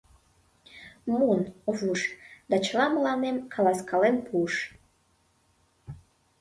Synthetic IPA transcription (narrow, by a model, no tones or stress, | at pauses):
munovuʃd̪ɑt͡ɕlɑməlɑnemkʰɑlɑskɑlempuʃ